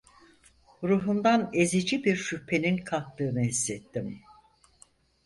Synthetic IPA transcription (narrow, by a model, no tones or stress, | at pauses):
ɾuɦund̪ane̞zid͡ʒibiɾʃypʰːe̞ninkʰak̚t̪ɯːnɯɦisːet̪ʰːim